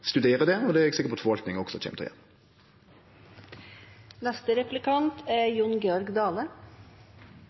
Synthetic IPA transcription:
st̪ʉd̪eːʁəd̪ɛɔːd̪ɛæɾɛɡsɪkəpɔt̪fɔʋɑlk̪nɪŋɔɡsɔɛçɛ̰mt̪ʰɔ̰jɛ̰ːn | næst̪əɾɛflɪkɑnt̪ʰæjʊnɡeːɔɾɡd̪ɑːlə

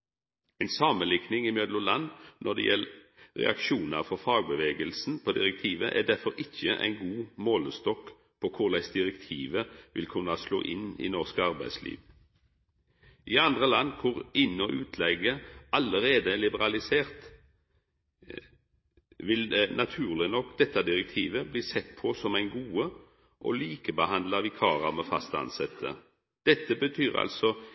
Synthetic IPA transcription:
ɛɪnsɑːmənlɪknɪŋiːmœd̪lʊlɑnnʔɔd̪ɛ̰jɛl | ʁɛ̰ʔɑ̰kʃuːnəʁfɔʁfɑːɡ̚bəʋeːɡəlsn̩pʰoːd̪ɪʁɛk̚t̪ʰiːʋəʔæ̰d̪æʁfɔʁɪçːəʔæ̰ɪnɡuːmoːləst̪ɔk | pʰoːkʰʊʁlæɪsd̪ɪʁɛkt̪ʰiːʋəʋɪ̰lkʰʉnɑslo̰ːʔɪ̰nḭːnɔʁskəɑʁbæɪslḭːʋ | ʔiːɑnd̪ʁəlɑnkʰʊʁɪnːɔʔʉːt̪ʰlɛɡəɑləʁeːd̪əɛlɪbəʁɑlɪseːʁt̪ | ʋɪlnʔɑt̪ʰʉːʁlɪnɔkːd̪ɛt̪ːɑd̪ɪʁɛk̚t̪ʰiːʋəbliːsɛt̪ːpʰɔsɔmæɪnɡuːə | ʔo̰liːkəbəhɑnd̪lɑʋɪkʰɑːʁɑmɛfɑ̰st̪əɑ̰nsɛt̪ʰːə̰ | d̪̥ɛt̪ːəbət̪ʰyːʁɑ̰lsɔ

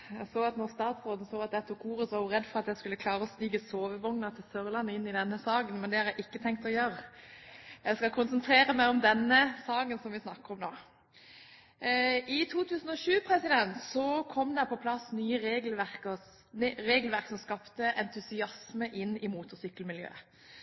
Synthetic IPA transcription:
jæsoːɑt̪nɔʁst̪ɑːt̪sʁoːd̪n̩soːɑt̪d̪ɛt̪ʰʊkʰuːʁəsʋɑjʊʁɛd̪ːfɔʁɑt̪jæɪskʉlːəkʰlɑːɾəɔst̪iːɡəsoːʋəʋɔŋnəʁt̪ʰɪlsœʁlɑnːəɪnːɪd̪ɛnːəsɑːɡənmɛnd̪ɛhɑʁjæɪʔɪkːət̪ʰɛŋk̚t̪ɔjøːɾə | jæɪskɑkʰʊnsənt̪ʰɾeːɾəmæɪɔmd̪ɛnːəsɑːɡənsɔmʋɪsnɑkːəɾɔmnoː | ʔɪt̪ʰuːt̪ʰʉːsən̩ɔʃʉːpʰɾɛsɪd̪ɛnt̪sɔkʰɔmːd̪ɛpʰɔpʰlɑsnyːəɾeːɡlʋæʁkə | ɾeːɡəlʋæʁksɔmskɑpt̪əʔɛnt̪ʰʉsɪɑsməʔɪnːɪmuːt̪ʊsʏkːəlmɪljø̰ː

